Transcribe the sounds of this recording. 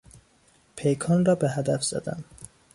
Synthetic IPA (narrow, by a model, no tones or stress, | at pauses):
pʰejkʰɒːnrɒːbeɦæd̪æfz̥æ̰d̪æ̰m